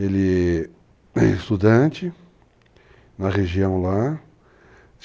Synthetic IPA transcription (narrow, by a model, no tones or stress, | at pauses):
elɪ | st̪ud̪ɐ̃t͡ʃɪ | nɐʁeʒiɐ̃w̃la